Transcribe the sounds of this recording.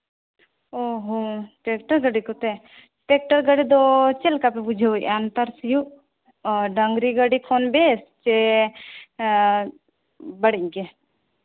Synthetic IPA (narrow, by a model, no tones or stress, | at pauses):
oɦõpeːkʈəɾɡəɽikut̪e | ʈeːk̚ʈəɾɡəɽid̪ot͡ʃelkapebud͡ʒʱeoḭʔant̪əɾsju | ɖɐŋɡɾiɡəɽikʰoːnbeːst͡ʃe | bɐɽiɡe